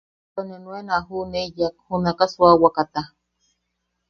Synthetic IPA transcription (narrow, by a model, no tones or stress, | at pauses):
t̪onenwenaɦunejak̚hunakaswawakat̪a